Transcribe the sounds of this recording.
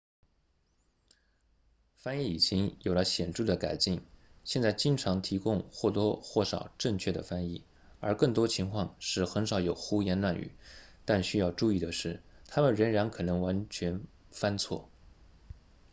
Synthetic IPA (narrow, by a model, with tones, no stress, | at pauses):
fa˥ni˥˩i˨˩t͡ɕi˥ŋjo˨˩ʊlə˦ɕjɛ˨˩nʈ͡ʂu˥˩d̪ə˩ka˨˩ɪt͡ɕi˥˩ŋɕjɛ˥˧nt͡sa˥˩ɪt͡ɕi˥ŋʈ͡ʂʰɑ˧˥ŋt̪ʰi˧˥kʊ˥˧ŋxwɔ˥˩t̪wɔ˥xwɔ˥˩ʂɑ̰˨˩ʊʈ͡ʂɤ˥˧ŋt͡ɕʰɥɛ˥˩d̪ə̰˩fa˥nḭ˥˩ | ə˞˧˥kɤ˥˩ŋt̪wɔ˥t͡ɕʰi˧˥ŋkʰwɑ˥˧ŋʂɻ̩˥˩xə˧˥nʂɑ˨˧˥ʊjo˨˩ʊxu˥jɛ˧˥nlwa˥˩ny̰˨˩˦t̪a˥˩nɕy˥jɑ˥˧ʊʈ͡ʂu˥˧i˥˩d̪ə˩ʂɻ̩˥˩t̪ʰa˥mə˨nɻə˧˥nɻa˧˥nkʰɤ˨˩nɤ˧˥ŋwa˧˥nt͡ɕʰɥɛ˧˥n | fa˥nt͡sʰwɔ̰˥˩